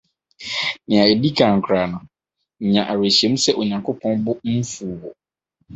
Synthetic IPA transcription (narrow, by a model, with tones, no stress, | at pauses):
nɪ̃˨a˨e˨di˦kʰã˨ŋ̩˨kʰɾa˨nʊ̃˨ | ɲã˨ʔa˨ɾe˨ɕi˨e˨˦mũ˦sɛ˦ʔo˨ɲã˨ŋkʰʊ˦pʰɔ̃˦nbʊ˦m̩˦fu˨wʊ˨